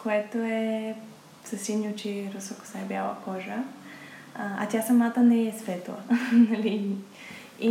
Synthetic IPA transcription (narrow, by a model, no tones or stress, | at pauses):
koɛt̪oɛ | sɐsinʲot͡ʃiɾosɔko̥sabʲjalˠɐ̰kɔʒə | a̰t̪ʲasɐmat̪ɐnɛɛsvɛt̪lˠə̰nɐli | i